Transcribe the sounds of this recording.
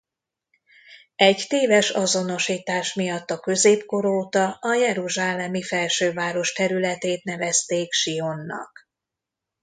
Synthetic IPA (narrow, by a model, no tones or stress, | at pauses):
ɛɟt̪eːvɛʃɒzo̞no̞ʃiːt̪aːʃmijɒt̪ːɒkø̞zeːpko̞ɾoːt̪ɒʔɒjɛɾuʒaːlɛmifɛlʃøːvaːɾo̞ʃt̪ɛɾylɛt̪eːt̪̚nɛvɛst̪eːkʃio̞nːɒ̰k